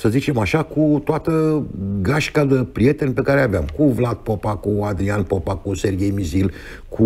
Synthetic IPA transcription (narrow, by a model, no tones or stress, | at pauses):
səzit͡ʃe̞maʃakut̪oat̪əɡaʃkad̪epɾije̞t̪e̞nʲpe̞kaɾeaveamkuvlad̪̚po̞pakuad̪ɾianpopakuse̞rɡʲe̞jmizil | kʰu